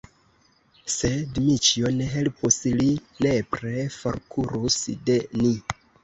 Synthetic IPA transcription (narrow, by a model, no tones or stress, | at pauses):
se̞dmit͡ʃione̞ɦe̞lpuslinepɾefo̰ɾkʰuɾusde̞ni